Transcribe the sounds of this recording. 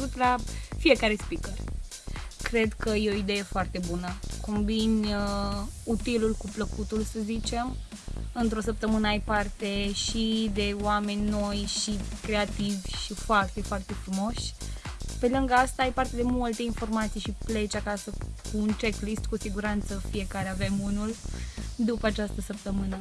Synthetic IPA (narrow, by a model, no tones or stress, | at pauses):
ut̪lafije̞kaɾe̞spikərʲ | kɾe̞d̪kəjeo̞id̪e̞je̞foart̪e̞bunəko̞mbin | ut̪ilulkupləkut̪ulsəzit͡ʃe̞m | ɨnt̪ɾo̞səp̚t̪əmɨnəajpart̪e̞ʃid̪e̞oame̞nʲno̞jʃikɾe̞at̪ivʲʃifoart̪e̞foart̪e̞fɾumo̞ʃ | pe̞lɨŋɡəast̪aajpart̪e̞d̪e̞mult̪einfo̞rmat̪sijʃiple̞t͡ʃakasəkuːnt͡ʃeklist̪kusiɡuɾant̪səfije̞kaɾeave̞munuld̪upəat͡ʃast̪əsəp̚t̪əmɨnə